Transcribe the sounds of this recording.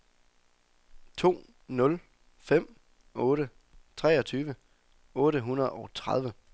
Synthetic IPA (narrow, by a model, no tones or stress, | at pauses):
t͡sʰo̝̰ː | nɔ̽l | fem̰ | ɔ̽ːɾə | t͡sʰʁɛ̰ːɒ̽t͡sʰyːʋə | ɔ̽ːɾəɦunɐð̞̩ˠɒʊt͡sʰʁað̞ˠʋə